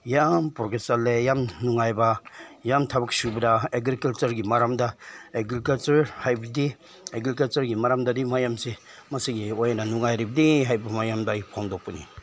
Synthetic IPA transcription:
jampɾoɡesalːejamnuŋajbajamtʰabɐk̚subɐdaeɡɾikalt͡ʃɐɾɡimaɾamdaeɡɾikalt͡ʃɐɾhajbidi | eɡɾikalt͡ʃɐɾɡimaɾamdadimajamse | masiɡiojnanuŋajɾibɐdiɦajbɐmajamdajpʰɔŋdɔpɐni

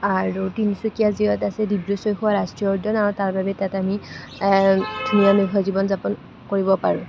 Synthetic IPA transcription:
aɹutinisukiaziɔtasɛdibɹosojxuwaɹastɹijɔɹdɔnaɹtaɹbabɛtatami | dʰʱuniameɦʰɔzibɔnzapɔn | koɹibɔpaɹʊ̃

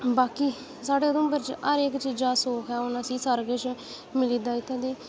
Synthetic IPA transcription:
baːkiː | saːɽeːd̪ʊ̃ːmbəɾt͡ʃəɾekt͡ʃiːd͡ʒaːsoːkʰɛːʊnãːsiːsəɾɡət͡ʃ | mɪliːd̪aːɪt̪ʰːẽːd̪eː

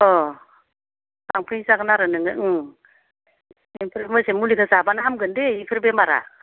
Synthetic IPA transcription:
ɔ | saŋpʰɯisaɡnaɾɯnɯŋɯɯ | impʰɯɾemɯsemulikʰɯzabanaɦamɡɯndeipʰɯɾbemaɾa̰

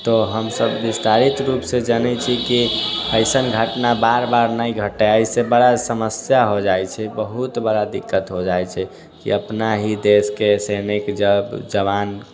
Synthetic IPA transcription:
t̪ɔɦəmsəbːist̪aɾit̪ɾupsẽd͡ʒənɛt͡ʃʰikiəɪsənɡʱəʈnabaɾbaɾnəjɡʱəʈɛajsebəɽasəməsjaɦod͡ʒajt͡ʃʰɛbəɦut̪bəɽad̪ikːət̪ɦod͡ʒajt͡ʃʰɛ | kḭəpnaɦid̪eskesenikd͡ʒəbd͡ʒəβan

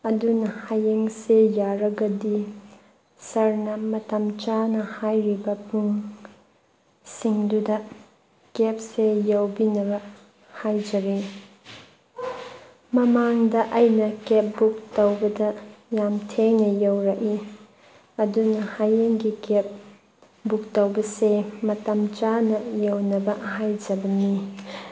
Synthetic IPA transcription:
ɐdunɐhajeŋsejaɾɐɡɐdi | sɐɾnɐmɐtɐmt͡ʃanɐhajɾibɐpuŋ | siŋdudɐ | kep̚sejɐwbinɐbɐ | hajd͡ʒɐɾi | mɐmaŋdɐʔɐjnɐkep̚buk̚tɐwbɐdɐjamtʰeŋnɐjowɾɐki | ɐdunɐhajeŋɡikep̚ | buk̚tɐwbɐsemɐtɐmt͡ʃanɐjɐwnɐbɐɦajd͡ʒɐbɐni

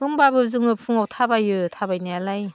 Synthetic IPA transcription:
mɯŋbabɯzɯŋɯpʰɯŋawtʰabajɯtʰabajnajalaj

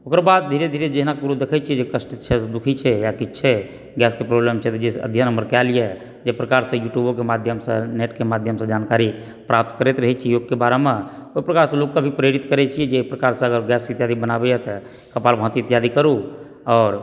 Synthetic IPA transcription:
okɾbad̪̚d̪ʱiɾed̪ʱiɾed͡ʒeɦinakuɾud̪ekʰɛt͡ʃʰiɛd͡ʒekəsʈt͡ʃʰɛsd̪ukʰit͡ʃʰɛjakitːt͡ʃʰɛ | ɡɛskepɾoblemt͡ʃʰɛt̪ɔd͡ʒesə̰d̪ʱjanəmbəɾkɛlije | d͡ʒepɾəkaɾsə̃juʈjubokemad̪ʱjəmsə̃neʈkemad̪ʱjəmsə̃d͡ʒankaɾi | pɾap̚t̪kəɾɛt̪ɾəɦɛt͡ʃʰijoɡ̚kebaɾemẽoipɾəkaɾsə̃lokːabʱipɾeɾit̪kəɾɛt͡ʃʰiɛd͡ʒepɾəkaɾsə̃əɡəɾɡɛsit̪jad̪ibənabɛjɛt̪ə | kəpalbʱə̃t̪it̪ijad̪ikəɾu | ɔːɾ

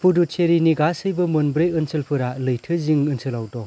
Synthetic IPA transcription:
pʰudut͡ʃʰeɾiniɡasɯjbɯmɯnbɾɯjɯnsɯlpʰɯɾalɯjtʰɯziŋɯnsɯlawdɔ

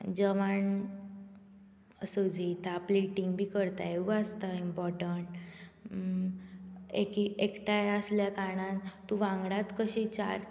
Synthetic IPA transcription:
d͡ʑəʋaɳ | əsəd͡ʑit̪ʰapleʈiŋɡbʱiːkəɾt̪ajeast̪aimpɔɾʈəɳʈ | ekiekʈajəsljakaɽ̃ãnt̪ːũʋãŋɡɽat̪kəɕit͡ɕa̰ɾ

